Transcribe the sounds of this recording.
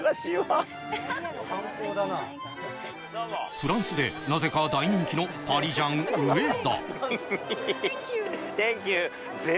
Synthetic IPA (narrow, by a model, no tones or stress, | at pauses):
t̪aɕiβa | hãkoːd̪ana | ɸɯ̟ɾãɰ̃sɨd̪e̞naze̞kad̪aiɲĩŋkʲino̞pʰaɾʲiʑãŋɯed̪a̰ | kt̪ẽŋk̬ʲjɨ | ze